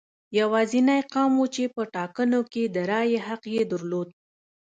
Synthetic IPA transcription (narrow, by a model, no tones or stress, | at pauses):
jawɑzinajqɑmwut͡ʃepəʈɑkənoked̪əɾɑjeɦaqjed̪əɾlod̪̚